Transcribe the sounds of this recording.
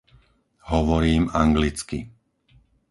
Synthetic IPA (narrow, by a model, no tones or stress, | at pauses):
ɦɔʋɔɾiːmaŋɡlit͡skḭ